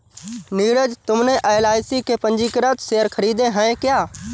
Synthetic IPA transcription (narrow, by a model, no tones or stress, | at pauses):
niːɾəd͡ʒt̪ʊmnẽʔaːjlaːɪsikʰeːpə̃ɲd͡ʒiːkəɾət̪seːəɾkʰəɾiːd̪ẽɦə̃ẽkɪjaː